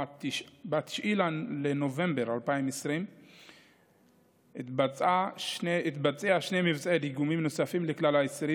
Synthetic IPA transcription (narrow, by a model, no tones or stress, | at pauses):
t̪ʃbat̪i̥ʃilaleno̞ve̞mbeʁalpaimesʁim | t̪bat͡saʃit̪bat͡seaʃnejmivt͡saediɡumimnosafimleklalaesɾi